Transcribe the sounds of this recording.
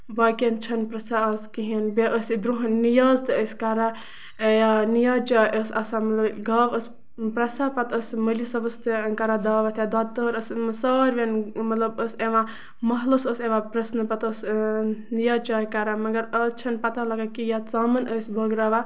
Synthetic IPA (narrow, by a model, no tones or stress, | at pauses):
baːkent͡ʃʰɐnpɾɐsʰaɐskiɦinbeʔəsib̪ɾuɦnnːijaːzt̪ɨəskaɾa | janijat͡ʃaːjʔəsɐsamɐt̪lɐbɡɐːʋəs | pɾɐsapɐt̪əsməlisɐbɐst̪ɨkɐɾad̪aːʋɐt̪ʰjad̪at̪əɾəsmsɐːɾʋenmɐt̪lɐbəseʋã | mɐɦlosəseʋapɾɐsnəpɐt̪əsnijat͡ʃaːjkaɾamɐɡɐɾɐst͡ʃʰɐnpɐt̪alɐɡakijat͡samɐnʔəsbʱɐɡɾaʋa